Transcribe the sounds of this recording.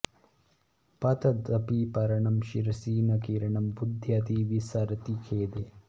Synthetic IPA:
pɐt̪ɐd̪ɐpipɐɾɐɳɐmʃiɾɐsiːnɐkiːɾɐɳɐmbud̪ʱjɐt̪iːʋisɐɾɐt̪ikʰeːd̪e

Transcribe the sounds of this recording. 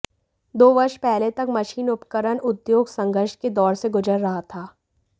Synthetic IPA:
d̪oːʋɐʃpɛɦlet̪ɐkmɐʃiːnʊpkəɾənʊd̪joːɡsɐ̃ŋɡəɾʃked̪ɔːɾseɡʊd͡ʒəɾːɐɦat̪ʰaː

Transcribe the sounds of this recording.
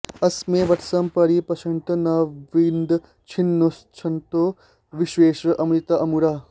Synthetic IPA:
ɐsmẽʋɐʈʰsɐmpɐɾipɐʃɐnt̪ɐnɐʋind̪ | t͡ʃʰinːost͡ʃʰɐnt̪oː | ʋɪʃweːʃɾʔɐmɾit̪ɐʔɐmuɾaː

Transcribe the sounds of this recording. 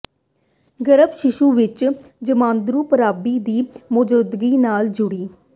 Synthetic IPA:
ɡəɾəbʃɪʃuːʋɪt͡ʃd͡ʒəmãːnd̪ɾuːpəɾaːbiːd̪iːmʊd͡ʒod̪ɡiːnaːld͡ʒʊɽiː

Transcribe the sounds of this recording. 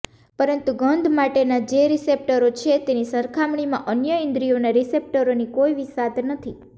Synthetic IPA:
pəɾənt̪uɡənd̪ʱmaʈenad͡ʒeɾisep̚ʈəɾot͡ʃʰet̪enisəɾkʰamɳimã̰ʔənjəĩnd̪ɾijonaɾisep̚ʈəɾonikoiʋisad̪nət̪ʰi

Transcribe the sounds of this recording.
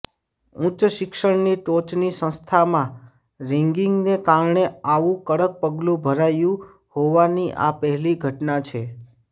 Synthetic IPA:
ũt͡ʃʃɪkʃəɽniʈot͡ʃnisə̃st̪ʰamã | ɾiŋɡiŋɡnekaɾɳeaʋũkəɽək̚pəɡlũbʱəɾajũ | hoʋaniʔa̰pəɦɛliɡʱəʈnat͡ʃʰe

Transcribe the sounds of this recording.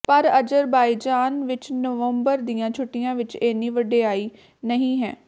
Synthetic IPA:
pəɾəd͡ʒəɾbaːiːd͡ʒaːnʋɪt͡ʃnəʋəmbəɾd̪ijãːt͡ʃʰʊʈːɪjãːʋɪt͡ʃeːniːʋəɖeːaːiː | nəɦĩːɦɛ̰ː

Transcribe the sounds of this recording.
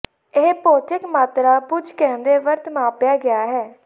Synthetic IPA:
eːpoːt̪ɪkmaːt̪ɾaːpʊd͡ʒkɛ̃ːnd̪eːʋəɾt̪mãːpjaːɡɪaːɦɛː

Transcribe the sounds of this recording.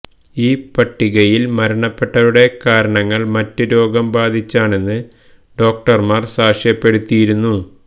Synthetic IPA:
iːpɐʈːiɣɐjilmɐɾɐɳɐpːe̞ʈːɐɾuɽe̞kaːɾɐɳɐŋːɐɭmɐtːɨɾo̞ːɡɐmbaːd̪ʱit͡ɕːaːɳe̞nːɨ | ɖo̞ːk̚ʈɐrmaːrsaːʂjɐpːe̞ɽut̪ːijiɾunːu

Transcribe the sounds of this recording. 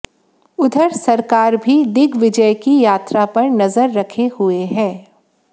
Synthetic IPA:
ʊd̪ʱəɾsɐɾkaːɾbʱid̪ɪɡʱʋɪd͡ʒəjkijaːt̪ɾapɐɾnɐzəɾːɐkʰehʊeɦɛ̃ː

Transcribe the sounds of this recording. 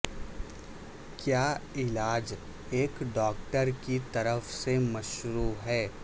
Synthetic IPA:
kjaːɪlaːd͡ʒ | eːkɖɔːk̚ʈəɾkit̪ɐɾəfsemɐʃɾuːɦɛː

